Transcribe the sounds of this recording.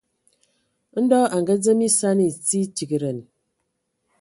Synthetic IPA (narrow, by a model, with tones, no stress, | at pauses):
n̩˦dɔ˦a˨ŋ˨ɡə˦d͡zə˦mi˦sa˦ni˨t͡si˦ti˨ki˨ɾə˨n